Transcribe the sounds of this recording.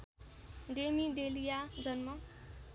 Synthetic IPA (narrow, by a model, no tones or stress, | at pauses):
ɖemiɖelijad͡zʌnmʌ